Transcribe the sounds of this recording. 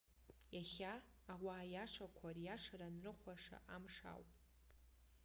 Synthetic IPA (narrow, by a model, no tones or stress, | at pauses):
jaχʲaː | waːjaʂakʷʰarjaʂaɾanrɨχʷaʂa̰ʔamʂa̰wpʼ